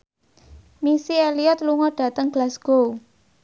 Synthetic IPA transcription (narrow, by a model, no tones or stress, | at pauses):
misieliɔt̪luŋɔɖ̥ä̤t̪əŋɡ̥lasɡ̥ow